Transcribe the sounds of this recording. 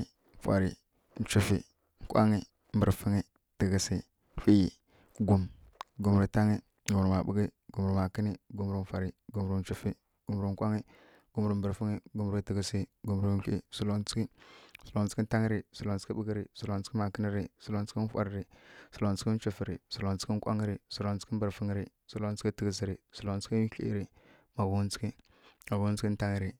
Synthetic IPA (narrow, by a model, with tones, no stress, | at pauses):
fʷa̰˨ɾi˨ | n̩˨t͡ʃu˨fḭ˨ | ŋ̩˨kʷa̰˦ŋi˦ | m̩˨bə˨ɾfi˦ŋi˦ | ti˨ɡi˨si˨˦ | fʷi˦i˨ | ɡu˨m | ɡu˨mɾi˨ta˦ŋi˦ | ɡu˨m˨ɾi˨ma˨bṵ˦ɡi˦ɡu˨m˨ɾi˨ma˨ki˦ni˦ɡu˨m˦ɾi˨m˨fʷa˨ɾi˨ɡu˨mɾi˨n̩˨t͡ʃu˦fi˦ | ɡ̥u˨m˨ɾi˨ŋ˦kʷa˦ŋi˦ | ɡ̥u˦m˦ɾi˨m˦bə˨ɾfi˦ŋi˦ɡu˨mɾti˨ɡə˨si˦ɡu˨m˨ɾu˦ɬi˦su˦lo˦n˦t͡si̥˦ki˦su˨lo˨nt͡si̥˦ki˦ta˦ŋi˦ɾi˨su˨lo˨nt͡si̥˦i˦bə˦ɡi˦ɾi˨su˨lo˨nt͡ski˦ma˨kə˦ni˦ɾi˨su˨lo˦n˦t͡si˦i˦n˦fa̰˦ɾɾi˨su˨lo˨nt͡si˦i˦n˦t͡ʃu˨fi˨ɾi˨su˨lo˨nt͡si˦ki˦kʷa̰˦ŋi˦ɾi˨su˨lo˨nt͡si̥˦i˦m˦bɾfi˦ŋ˦ɾi˨ | su˦lo˦t͡ski˦ti˨ɡi˨s̬i˨ɾi˨su˨lo˨nt͡si̥˦ki˦ɬḭ˦ḭ˦ɾi˨ | ma˨ɡu˨˦n˦t͡si̥˦ki˦ | ma˨ɡu˦t͡si˦i˦ta˦ŋi˦ɾi˨